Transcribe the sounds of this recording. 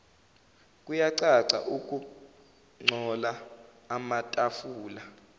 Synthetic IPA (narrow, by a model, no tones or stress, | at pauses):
k̬ʼujaǀaǀa̰ʔuk̬ʼu | ŋ͡ǀʱɔlaː | matʼafuːla